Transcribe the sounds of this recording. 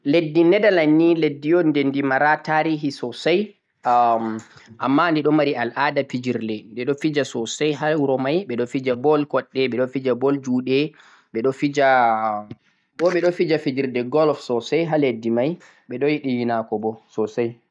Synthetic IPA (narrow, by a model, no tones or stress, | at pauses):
ledːinɛdalanːiledːijɔndɛndimaɾataɾiɦisɔsaj | ʔamːandiɗɔmaɾialʔaːdafid͡ʒiɾdɛndɛɗɔfid͡ʒasɔsajɦauɾɔmajɓɛɗɔfid͡ʒabɔlkɔɗːɛɓɛɗɔfid͡ʒabɔld͡ʒuɗɛ | ɓɛɗɔfid͡ʒa | ɓɔɓɛɗɔfid͡ʒafid͡ʒiɾdɛɡɔlfsɔsajɦaledːimaj | ɓɛɗɔjiɗijinakɔbɔsɔsaj